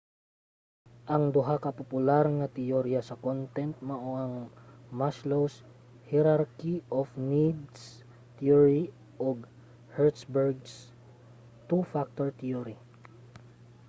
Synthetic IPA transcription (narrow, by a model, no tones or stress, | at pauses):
ʔɐŋd̪ʊɦakɐpopʊlaɾŋɐt̪ɪoɾjasɐkont̪ɛnt̪̚mɐʔoʔɐŋmaʃlows | hɛɾaɾkiʔofnid̪s | t̪ioɹi | ʔoɡ | hɛɹt̪sbɛɹɡs | t̪ufak̚t̪oɹt̪ioɾi